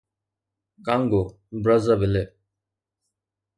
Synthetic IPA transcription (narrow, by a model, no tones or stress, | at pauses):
kaŋɡo | bɾɐzəbɪle